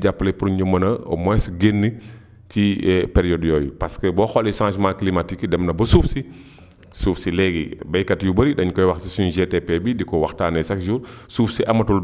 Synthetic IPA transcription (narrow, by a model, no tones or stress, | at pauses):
ɟapːlɛpuɾuɲɔmːɐnɐɔ̰mɔɛsɡenːi | t͡ʃipɛɾijɔdjɔːj̰paskəbɔxɔlisãːʃmãklimatikdɛmnɐbɐsuːfsi | suːfsilɛɡḭbɐjkɐtjubəɾidɐɲkɔjwɐxsisunʒetɛpɛbidikɔwaxtaːnɛsakd͡ʒuːɾsuːfsiʔɐmɐtul